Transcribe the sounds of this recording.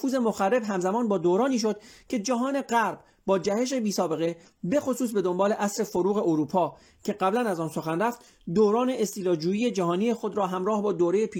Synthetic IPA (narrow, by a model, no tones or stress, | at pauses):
fuːze̞moxærːe̞bɦæmzæmɒːnbɒːd̪oːɾɒːniːʃ̬o̞d̪̥cʰe̞d͡ʒæɦɒːne̞ɢæɾb | bɒːd͡ʒæhe̞ʃ̬e̞biːsɒːbe̞ɣe̞ | be̞xo̞suːs̬be̞d̪o̞mbɒːle̞ʔæsɾe̞foɾuːɣe̞ʔoɾuːpʰɒː | cʰe̞ɢæblænæzɒːnso̞xænræft̪ | d̪oːɾɒːne̞ʔest̪iːlɒːd͡ʒuːjiːje̞d͡ʒæɦɒːniːje̞xod̪ɾɒːɦæmɾɒːhbɒːd̪oːɾejepʰiː